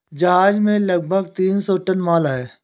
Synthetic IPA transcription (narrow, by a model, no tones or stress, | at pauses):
d͡ʒɐɦaːd͡ʒmẽləɡ̚bʱəɡt̪iːnsɔʈənmaːlaːɛː